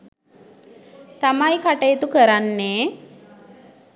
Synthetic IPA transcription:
t̪amajkaʈəjet̪ukəɾanːeː

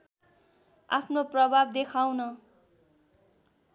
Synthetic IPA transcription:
a̰pʰnoprʌbʱab̚d̪ekʰawnʌ

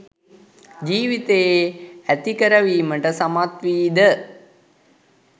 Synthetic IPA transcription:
d͡ʒiːʋit̪əjeæt̪ikəɾəʋiːməʈəsamat̪ʋiːd̪ə

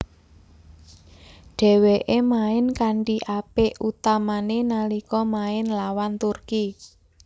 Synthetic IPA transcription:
ɖ̥ɛ̤weʔemaɪnkaɳʈiʔapeut̪amanenalikɔmaɪnlawant̪urki

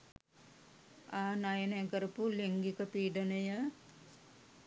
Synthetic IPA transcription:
aːnajənəkəɾəpuliŋɡikəpiːɖənəjə

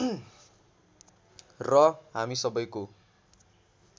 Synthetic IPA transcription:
rʌɦamisʌbʌjko

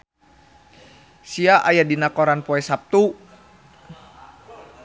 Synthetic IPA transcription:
siaʔajadinakɔɾanpɔɛsap̚t̪u

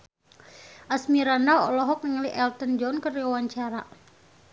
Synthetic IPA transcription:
ʔasmiɾandaɔlɔɦɔk̚nəŋliʔɛlt̪ənd͡ʒɔnkəriawaɲt͡ʃaɾa̰

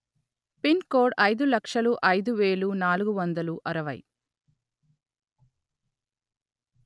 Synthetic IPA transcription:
pinkoːɖɐjd̪ulɐkʂɐluʔɐjd̪uʋeːlunaːluɡuʋɐnd̪ɐluʔɐɾɐʋɐ̰j

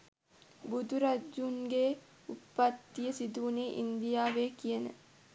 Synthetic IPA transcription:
bud̪uɾad͡ʒːuŋɡe | upːat̪ːijəsid̪uuneʔḭnd̪ijaːʋeːkijənə̰

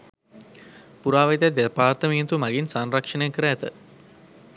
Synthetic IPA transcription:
puɾaːʋet̪æd̪erpaːrt̪əmijt̪umaɡinsanrakʂɐnejkəɾəæt̪ə

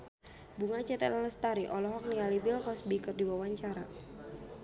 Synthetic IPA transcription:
buŋat͡ʃɛt̪ɛ̰laləst̪aɾiʔɔlɔɦɔk̚nialibilkɔsbikɨrdiwawaɲt͡ʃaɾa

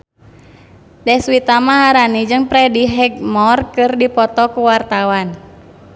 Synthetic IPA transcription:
dɛswit̪amaɦaɾanid͡ʒɨŋpɾɛdiɦɛɡ̚mɔrkɨrdipɔt̪ɔkuwart̪awan

